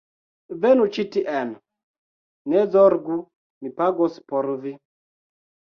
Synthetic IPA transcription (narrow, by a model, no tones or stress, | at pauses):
vɛnut͡ʃitiʔɛn | nɛzɔɾɡu | mipaɡɔsi̥pɔɾvi